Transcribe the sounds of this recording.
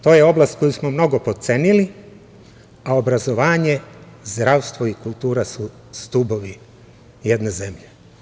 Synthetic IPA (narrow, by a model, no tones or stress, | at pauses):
t̪o̞ːje̞o̞blast̪ko̞jusmo̞mno̞ɡo̞po̞t̪se̞nili | aobɾazo̞ʋaːɲe̞ | zd̪ɾaʋst̪ʋo̞ikulˠt̪uːɾasu | st̪ubo̞ʋi | je̞d̪neze̞mʎe